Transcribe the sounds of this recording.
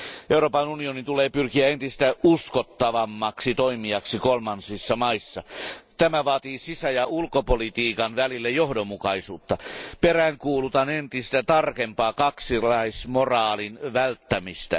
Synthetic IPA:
ʔeuroːpɑnunionint̪uleːpyrkiæent̪ist̪æuskot̪ːɑʋɑmːɑksit̪oimiɑksikolmɑnsisːɑmɑisːɑt̪æmæʋɑːt̪iːsisæjɑulkopolit̪iːkɑnʋælilːæjohdomːukɑisuːt̪ːɑperæŋkuːlut̪ɑnent̪ist̪æt̪ɑrkempɑːkɑksilɑismorɑːlinʋælt̪ːæmist̪æ̰

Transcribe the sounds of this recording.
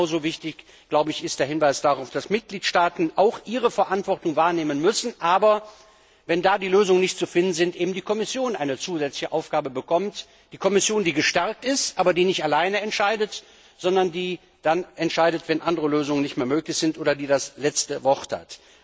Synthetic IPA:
ʊzoːvɪçtɪç | ɡ̥laʊbəɪçɪstd̥eːɐhɪnvaɪsd̥aʁaʊfd̥asmɪt̚ɡ̥liːtʃtaːtn̩ʔaʊxʔiːʁəfɛɐʔantv̥ɔʁtʊŋvaːɐneːmənmʏsn̩ʔaːbɐ | vɛndaːdiːløːzʊŋənɪçtt͡sufɪndn̩zɪntʔeːbm̩diːkʰɔmɪsjoːnʔa̰ɪnət͡suːzɛt͡slɪçəʔaʊfɡ̥aːbəbəkʰɔmt | d̥iːkʰɔmɪsjoːndiːɡəʃtɛɐk̚tɪstʔaːbɐdiːnɪçtalaɪnəɛntʃaɪdət | z̥ɔndɐndiː | d̥anɛntʃaɪdətv̥ɛnʔandəʁəløːzʊŋənɪçtmeːɐmøːklɪçz̥ɪntʔoːdɐdiːdaslɛt͡stəvɔʁtha̰t

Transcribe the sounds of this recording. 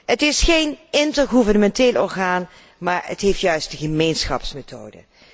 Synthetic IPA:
ətɪsχejnɪntəɹχuvəɹnəmɛnteːlɔɹχaːn | maːɹə̰tɦeftjœɥstdəχəmejnsχɑ̰psmetʰo̰ːdə̰

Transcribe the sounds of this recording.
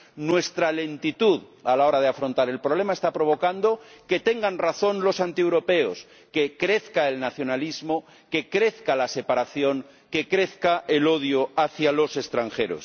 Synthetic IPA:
nwe̞st̪ɾale̞nt̪it̪uðalao̞ɾað̞e̞afɾo̞nt̪aɾe̞lpɾoβle̞maest̪apɾo̞β̞o̞kand̪o̞ke̞t̪e̞ŋɡanraθo̞nlo̞sant̪iewɾo̞pe̞os | ke̞kɾe̞θkae̞lnaθjo̞nalizmo | ke̞kɾe̞θkalase̞paɾaθjo̞ŋ | ke̞kɾe̞θkae̞lo̞ðjoaθjalo̞se̞st̪ɾaŋxe̞ɾo̰s

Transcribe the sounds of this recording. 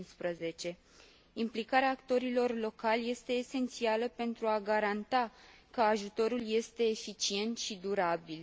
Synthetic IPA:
nspɾəze̞t͡ʃe̞ | implikaɾeaːkt̪o̞ɾilo̞rlo̞kalje̞st̪e̞ːse̞nt̪sialəpe̞nt̪ɾuaɡaɾant̪akəaʒut̪o̞ɾulje̞st̪e̞ːfit͡ʃie̞nt̪ʃid̪uɾabil

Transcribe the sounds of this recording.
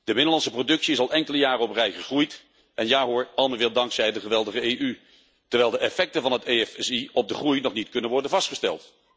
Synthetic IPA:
d̥əmɪdəlɑnsəprodɵksiɪsɑlˠʔɛŋkələjaːrəɔprɛjχəχrujt | ʔɛnjaːɦoːɹɑlˠməʋɪːlˠdɑŋksɛjdəχəʋɛlˠdəχəejʔy | tɛɹʋɛjlˠdəʔɛfɛk̚tənvɑnɦəteɛfɛsiɔb̚dəχrujnɔχnitkɵnənʋɔɹdənvɑstχəstɛ̰lˠt

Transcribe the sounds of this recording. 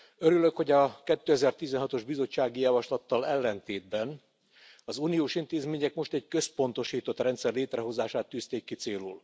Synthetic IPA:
øɾyløkho̞ɟɒkɛt̪ːøːɛzɛrt̪izɛnɦɒt̪o̞ʒbizo̞t͡ʃːaːɡijɒvɒʃlɒt̪ːɒlɛlːɛnt̪eːd̪̚bɛn | ɒzunioːʃint̪eːzmeːɲɛkmo̞ʃt̪ɛɟkø̞spo̞nt̪o̞ʃiːt̪o̞t̪rɛnt̪sɛrleːt̪rɛɦo̞zaːʃaːt̪ːyːst̪eːkːit̪seːlṵl

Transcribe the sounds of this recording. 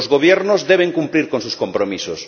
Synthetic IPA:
zɣoβ̞jeɾnozðeβ̞eŋkumpliɾkonsuskõmpɾomisos

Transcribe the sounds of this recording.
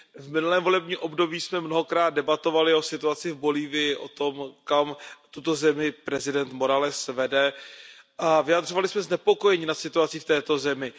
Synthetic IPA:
vmɪnulɛːmvo̞lɛbɲiːmʔo̞bdo̞biːsmɛmno̞ɦo̞kɾaːd̪̚dɛbat̪o̞valɪo̞sɪt̪uat͡sɪvbo̞liːvɪjɪʔo̞t̪o̞mkamt̪ut̪o̞zɛmɪpɾɛzɪdɛnt̪mo̞ɾalɛsvɛdɛ | ʔavɪjad̪r̝o̞valɪsmɛznɛpo̞ko̞jɛɲiːnat̪sɪt̪uat͡siːft̪ɛːt̪o̞zɛmɪ

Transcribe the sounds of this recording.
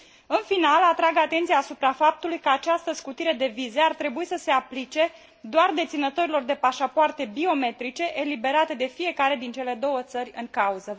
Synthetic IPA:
ɨnfinalat̪ɾaɡat̪e̞nt̪sijaːsupɾafap̚t̪ulujkəat͡ʃast̪əskut̪iɾe̞d̪e̞vize̞art̪ɾe̞buisəse̞aplit͡ʃe̞ | d̪oard̪e̞t̪sinət̪oɾilo̞rd̪e̞paʃapoart̪e̞bio̞me̞t̪ɾit͡ʃe̞ʔelibe̞ɾat̪e̞d̪e̞fie̞kaɾe̞d̪int͡ʃe̞le̞d̪o̞wət̪sərʲɨŋkauzə

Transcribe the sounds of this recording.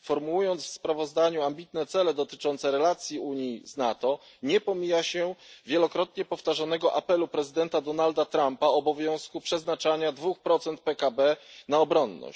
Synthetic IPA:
fɔɾmuujɔnt̪sfspɾavɔzd̪aɲuambʲit̪nɛt̪sɛlɛd̪ɔt̪ɘ̥t͡ʂɔnt̪sɛɾɛlat̪sʲjiuɲiznat̪ɔ | ɲɛpɔmʲijaɕɛvʲjɛlɔkɾɔt̪̚ɲɛpɔft̪aʐanɛɡɔʔapɛlupɾɛzɘd̪ɛnt̪ad̪ɔnald̪at̪ɾampaɔbɔvʲjɔ̃w̃skupʂɛznat͡ʂaɲad̪vuxpɾɔt̪sɛnt̪̚pɛkabɛnaɔbɾɔnːɔ̰ɕ

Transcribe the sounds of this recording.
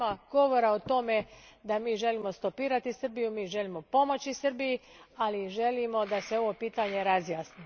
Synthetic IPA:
aɡo̞ʋo̞ɾaot̪o̞me̞d̪amiːʒe̞limo̞st̪o̞piːɾat̪isr̩bijumiːʒe̞limo̞po̞mo̞t͡ɕisr̩bijialiʒe̞limo̞d̪aseo̞ʋo̞piːt̪aɲe̞ɾazjaːsni

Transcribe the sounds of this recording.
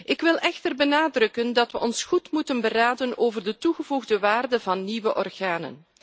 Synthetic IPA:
ʔɪkʋɪlˠʔɛxtərbənaːdrɵkəndɑtʋəʔɔnsχutmutənbəraːdənoːvərdətuɣəvuɣdəʋaːrdəvɑnːiʋəʔɔrɣaːnə̰n

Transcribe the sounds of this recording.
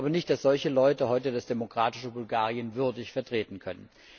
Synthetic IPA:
bɐnɪçtd̥asz̥ɔlçəlɔʏtəɦɔʏtəd̥asd̥emokʁ̥aːtɪʃəbʊlɡaːʁiənvʏɐdɪçfɛɐtʁ̥eːtn̩kʰœnən

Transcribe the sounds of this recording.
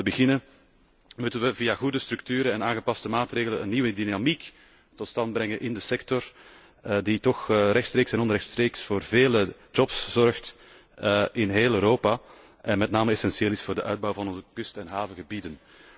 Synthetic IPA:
əbəɣɪnə | mutənʋəvijaɣudəstɾʉk̚tyːɾəɛnaːnɣəpɑstəmaːtreːɣələnə̰nːiwədinamik | tɔtstɑnd̚bɾɛŋənʔɪndəsɛktɔr | ditɔxrɛxtst̪ɾeːksɛnɔnɾɛxtstreːksfoːrveːləd͡ʒɔpsz̥ɔrxt | əʔɪnɦeːlˠøːɾoːpa | ʔɛnmɛtnaːməɛsɛnsieːlɪsfʊːrdəʔœɥd̚bɔwvɑnɔnzəkɵstɛnɦaːvəɣəbidən

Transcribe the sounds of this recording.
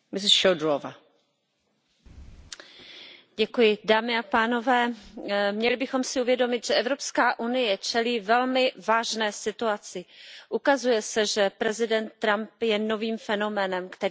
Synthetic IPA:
mɪsʃowdɾova̰ | ɟɛkujɪdaːmɪapaːno̞vɛːmɲɛlɪbɪxo̞msɪuvjɛdo̞mɪt̪ʒ̥ɛʔɛvɾo̞pskaːʔunɪjɛt͡ʃɛliːvɛlmɪvaːʒnɛːsɪt̪uat͡sɪʔukazujɛsɛʒɛpɾɛzɪdɛnt̪ːɾampjɛno̞viːmfɛno̞mɛːnɛmkt̪ɛ

